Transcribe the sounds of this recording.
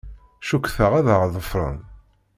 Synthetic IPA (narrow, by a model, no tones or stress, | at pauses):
ʃukːθəʁæðəʁðˤəfɾˤə̰n